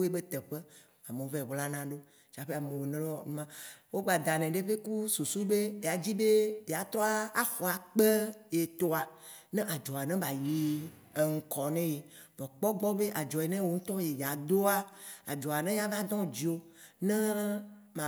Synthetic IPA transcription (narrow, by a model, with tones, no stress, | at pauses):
e˦be˦t̪ɛ˨ɸe˦ | a˨me˨o˦vɛ˦˨bla˦nã˨ɖo˦ | t͡ʃa˨ɸe˦a˨mẽ˨we˨nɛ̃˦ɔ˨nũ˦mã˦wo˦ɡ͡ba˨d̪a˨nɛ̃˨ɖe˦ɸe˦ku˦su˨su˦be˦e˨a˨d͡ʑi˦be˦be˨a˨t̪ɾɔ˦a˦a˦xɔ˨a˨k͡pe˦je˨t̪o˨a˨ | nɛ̃˦ʔa˨d͡ʒɔ˨a˨nɛ̃˦ba˨ji˦ | e˨ŋ̩˨kɔ˨nɛ̃˦je˨ | vɔ˨k͡pɔ˦ɡ͡bɔ˦be˦ʔa˨d͡ʒɔ˨e˨nɛ̃˦wo˦ŋũ˦t̪ɔ̃˦je˨ja˨d̪o˦a˦a̰˨d͡ʒɔ˨a˨nɛ̃˦ja˦va˦d̪ɔ̃˦d͡ʑi˨˦o˦ | nɛ̃˦mã˨